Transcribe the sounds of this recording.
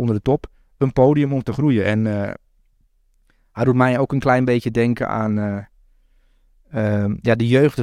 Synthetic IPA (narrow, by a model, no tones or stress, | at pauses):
ondərdətɔp | ənpoːdijəmɔmtəxrujəʔɛn | hɛjdutmɛjoːkənklɛjnbeːtjədɛŋkə̰a̰n | əjadəjøːxtə